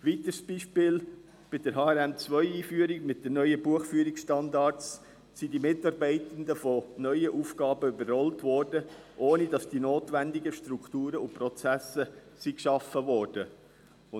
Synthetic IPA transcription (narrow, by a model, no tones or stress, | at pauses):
ʋit̪əɾsb̥iʃpɪːl | b̥ɪd̥əɾɦɑːɛɾæmt͡sʋœʏiːfyəɾiɡmɪt̚d̥ɛnœʏəbuəχfyəɾiksʃtɑndɑt͡s | sidimɪtɑɾbɛɪtənd̪əfɔnœʏəʔuːfɡɑːbəybərhɔltʋɔːrd̥ə | ʔoːnid̥ɑsd̥inoːtʋændɪɡəʃtɾuktuːɾəʊnpɾɔt͡sæsə | sikʃɑfəvɔːɾd̥ə | ʊ